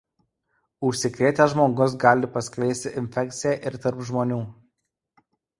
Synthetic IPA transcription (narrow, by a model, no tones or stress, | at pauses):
ʊʃʲsʲɪkɾʲeːt̪ʲɛʒmoːɡʊs̬ɡɑːlʲɪpɐsʲklʲɛɪsʲt̪ʲɪʔɪnʲfʲɛk̚ʲt̪sʲɪjɛʔɪɾt̪ɐɾpʒmoːnʲuː